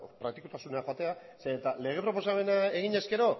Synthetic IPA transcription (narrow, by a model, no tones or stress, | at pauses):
pɾak̚t̪ikut̪asuneaxat̪e̞a | seːt̪ale̞ɣ̞e̞pɾo̞po̞same̞nae̞ɣ̞iɲe̞ske̞ɾo̞